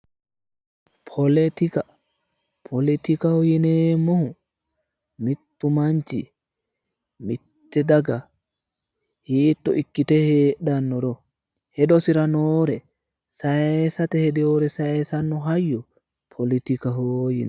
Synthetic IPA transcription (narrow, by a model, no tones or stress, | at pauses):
pʰoletika | pʰolitikahojinɛmɔhu | mitːumaɲt͡ʃḭ | mitːɛdaɡa | hitːɔʔikːitɛhɛɗanːɔdɔ | hɛdɔsiɾanɔɾɛ | saɛsatɛhɛdɛɔɾɛsaɛsanːɔɦajːɔ | pʰolitikaɦojinɛ